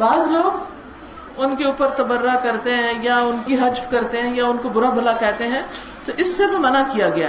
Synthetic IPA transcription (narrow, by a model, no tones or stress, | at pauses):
baːzloːɡ | ʊnkeuːpəɾt̪ɐbəɾːakɐɾt̪eɦɛ̃jaʊnkiɦɐd͡ʒfkɐɾt̪eɦɛ̃jaʊnkobʊɾabʱɐlakɛɦt̪eɦɛ̃ | t̪oʔɪsːeʋomɐnakijaɡɐja